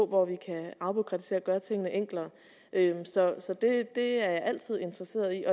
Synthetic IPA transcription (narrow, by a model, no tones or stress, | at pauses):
ɔʋɒʋikʰæɑ̈ʊb̥okʰʁɑd̥st͡sʰe̝̰ɐɡ̥ɶɐt͡sʰeŋ̰ənəʔeŋ̰ɡ̥lɐː | ʔømsɒ̽sɒ̽d̥e̝d̥e̝æɐjɑ̈ɪʔæl̰t͡sʰið̞̰ˠe̝nd̥ʁɐse̝̰ːɐð̩ˠiʔɒ̽